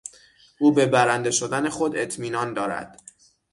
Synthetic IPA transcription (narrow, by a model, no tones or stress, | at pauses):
ʔuːbe̞bæɾænd̪e̞ʃo̞d̪æne̞xo̞d̪e̞t̪ʰmiːnɒːnd̪ɒːɾæ̰d̪̥